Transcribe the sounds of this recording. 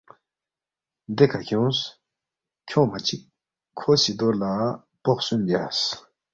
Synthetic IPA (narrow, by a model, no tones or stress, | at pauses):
nd̪ekʰaɕɔŋs | cʰɔŋmat͡ɕik | kʰːoɕit̪oɹla | pɔʔ̚synd͡ʑas